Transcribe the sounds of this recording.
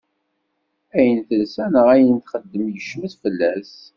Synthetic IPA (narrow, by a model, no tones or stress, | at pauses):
æjənθəlsænəʁæjənt̪χəd̪ːəmjəʃməθfəlːæs